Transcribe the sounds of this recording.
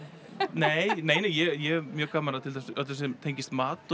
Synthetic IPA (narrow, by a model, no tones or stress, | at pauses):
neːjneːjneːjɛjɛmjœːɣkaːmanaðt̪ʰɪlθɛst̪ɛs̬ɛmt̪ʰejɲcɪst̪maːt̪